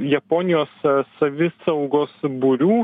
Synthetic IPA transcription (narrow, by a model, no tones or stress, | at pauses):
jɛpoːnʲɪjoːsːɐʋʲɪsɐʊɡoːsbʊɾʲuː